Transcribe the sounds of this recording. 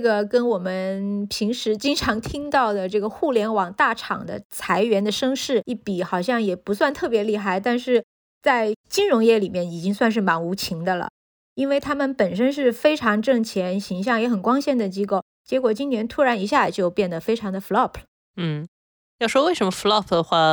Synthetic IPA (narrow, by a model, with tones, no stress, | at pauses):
ɡə˩kə˥nwɔ˨˩mə˦npʰi˧˥ŋʂɻ̩˧˥t͡ɕi˥ŋʈ͡ʂʰɑ˧˥ŋt̪ʰi˥ŋt̪ɑ˥˩ʊd̪ə˩ʈ͡ʂɤ˥˩ɡə˩xu˥˩ljɛ˧˥nwɑ˨˩ŋt̪a˥˩ʈ͡ʂʰɑ̰˨˩ŋd̪ə̰˦t͡sʰa˧˥ɪɥɛ˧˥nd̪ə˧ʂɤ˥ŋʂɻ̩˥˩i˥˩pi˨˩xɑ˨˩ʊɕjɑ˥˩ŋjɛ˨˩pu˧˥swa˥˧nt̪ʰɤ˥˩p̬jɛ˧˥li˥˧xa˥˩ɪt̪a˥˧nʂɻ̩˥˧ | t͡sa˥˩ɪt͡ɕi˥nɻʊ˧˥ŋjɛ˥˩li˨˩mjɛ˥˩ni˨˩t͡ɕi˥ŋswa˥˧nʂ̬ɻ̩˥˩ma˧˥nu˧˥t͡ɕʰi˧˥ŋd̪ə˧lə̰˩ | i˥nwe˥˩ɪt̪ʰa˥mə˨npə˨˩nʂə˥nʂ̬ɻ̩˥˩fe˥ɪʈ͡ʂʰɑ˧˥ŋʈ͡ʂɤ˥˩ŋt͡ɕʰjɛ˧˥nɕi˧˥ŋɕ̬jɑ˥˩ŋjɛ˧˥xə˨˩nkwɑ˥ŋɕjɛ˥˩nd̪ə˨t͡ɕi˥ko˥˩ʊ | t͡ɕjɛ˧˥kwɔ˨˩t͡ɕi˥nnjɛ˧˥nt̪ʰu˥ɻa˧˥ni˧˥ɕja˥˩t͡ɕjo˥˧ʊpjɛ˥˩nd̪ə˩fe˥ɪʈ͡ʂʰɑ˧˥ŋd̪ə˧fu˧lɑ˥˩pʰ | n̩˥˩ | jɑ˥˩ʊʂwɔ˥we˥˩ɪʂə˧˥mə˧fu˧lɑ˥˩pʰd̪ə˩xwa˥˩